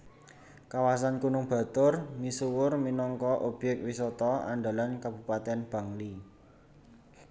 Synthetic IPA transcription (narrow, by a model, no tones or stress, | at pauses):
kawas̬ankunʊŋb̥ä̤t̪ʊrmisuwʊrminɔŋkɔʔob̥ɛk̚wisɔt̪ɔa̰ɳɖalankab̥ṳpat̪ɛnb̥ä̤ŋli